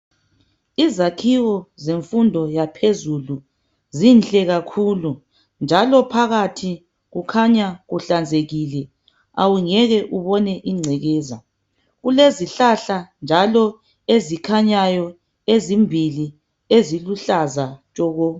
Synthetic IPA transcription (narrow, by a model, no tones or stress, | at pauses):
izakʰiɣɔzeɱfundʱɔjapʰezulu | zinɬʼɛɣakʰulu | nd͡ʒʱalɔpʰaɣatʰi | ɣukʰaɲaɣuɬand͡zʱeɣilɛ | a̰wuŋɛɣɛʔuβɔnɛʔiŋ͡ǀʱɛɣɛːza̰ | ɣuleziɬaɬand͡ʒʱalɔ | ezikʰaɲajɔ | ezimbʱili | eziluɬazat͡ʃʼɔːɣɔ